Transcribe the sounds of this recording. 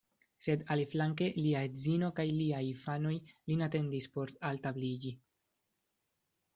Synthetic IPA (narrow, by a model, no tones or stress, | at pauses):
se̞daliflaŋke̞liaezinokajliajfano̞jlinate̞ndispo̞ɾaltablid͡ʒi